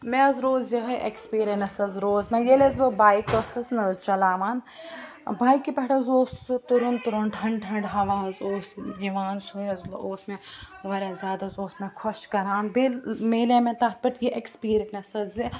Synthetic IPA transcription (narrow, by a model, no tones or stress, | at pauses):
mɛ̃ɐzɾoːzjɐɦɐʔḛkspiːɾenɐsɐzɾoːzmẽjelezbɨbaːikosɐznɐt͡ʃɐlaːʋaːn | baːjkipɐʈɐzoːst̪uɾunt̪uɾunʈʰɐ̃ɳɖʈʰɐɳɖɦɐʋãːɐzoːsjiʋaːnsujɐzloːsmẽʋɐɾẽzʲjaːd̪ɐzoːsmẽkʰoʃkɐɾaːnbelmeːlemẽt̪ɐt̪̚ʰbɐʈjeʔekspiːɾɐnɐsɐzi